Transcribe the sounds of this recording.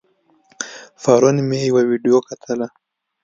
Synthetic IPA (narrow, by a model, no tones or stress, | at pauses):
faɾɔnimɛiwaviɗiɔkatʰala